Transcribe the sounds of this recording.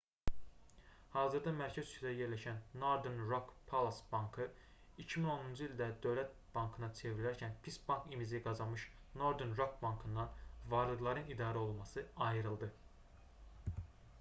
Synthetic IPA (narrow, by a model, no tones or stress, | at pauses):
hɑːzɯɾd̪ɑmæɾcʰæzyt͡ʃ̪ʰæje̞ɾlæʃænːoɾd̪enɾokpʰolˠasbɑŋkʰɯ | icʰimino̞nund͡ʒɯilʲd̪æd̪ø̞vlæt̪̚b̥ɑŋkʰɯnɑt͡ʃʰe̞vɾilæɾcʰænpʰisbɑŋkʰimiziɡɑzɑnmɯʃno̞ɾd̪enɾokbɑŋkʰɯnd̪ɑnvɑɾlˠɯɡlˠɑɾɯnid̪ɑːɾæo̞lˠmɑsɯɑjɯɾɯlˠd̪ɯ